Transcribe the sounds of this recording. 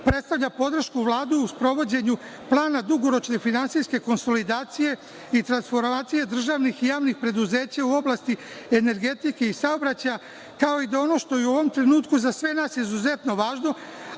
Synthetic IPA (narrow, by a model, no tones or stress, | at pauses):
pɾe̞t̪st̪aʋʎapo̞d̪r̩ʃkuʋlˠaːd̪uːspɾo̞ʋo̞d͡ʑe̞ɲu | plˠaːnad̪uɡo̞ɾo̞t͡ʃne̞finansiske̞ko̞nso̞lid̪aːt̪sije̞ | it̪ɾansfo̞ɾmaːt̪sije̞d̪r̩ʒaːʋnixijaːʋnixpɾe̞d̪uze̞ːt͡ɕauo̞blˠast̪iene̞ɾɡe̞t̪ike̞isaobɾat͡ɕaja | kao̞id̪ao̞no̞ːʃt̪o̞iuo̞ʋo̞mt̪ɾe̞nuːt̪kuzasʋe̞naːsizuze̞t̪no̞ʋaːʒno̞